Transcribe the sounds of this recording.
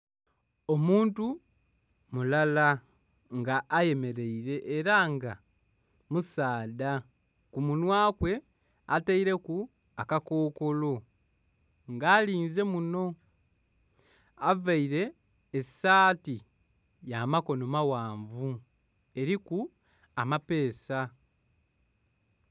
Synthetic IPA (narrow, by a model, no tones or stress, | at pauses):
o̞muːntu | mulala | ŋɡaːje̞me̞ɾe̞iɾe̞ʔːɾaŋɡa̰ | musaːda | kumunwaːkwe̞ | ataiɾe̞ku | akakoːko̞lo̞ | ŋɡaːliːnze̞muno̞ | avaiɾe̞ː | saːti | jamako̞no̞mawaːɱvu | e̞ɾiku | amape̞ːsa